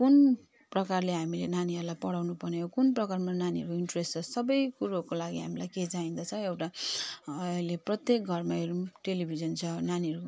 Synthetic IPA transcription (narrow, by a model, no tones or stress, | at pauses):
kun | prʌkarleɦamilenaniʌɾulajpʌɽawnupʌrnejokunprʌkarmananiɦʌɾuoiɳʈrest͡sʰʌsʌbʌjkuɾɦkolaɡiɦamilajked͡zaĩnd̪ʌt͡sʰʌ̃ewʈa | jleprʌt̪jek̚ɡʱʌrmaeɾuʈelibʱid͡zʌnt͡sʰʌnaniɦʌɾu